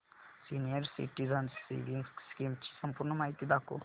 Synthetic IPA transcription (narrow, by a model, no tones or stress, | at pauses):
sinijəɾsḭʈizɐnsːḭʋiŋɡsskimt͡ʃʰi̥sɐmpuɾnəmaːit̪id̪ako̰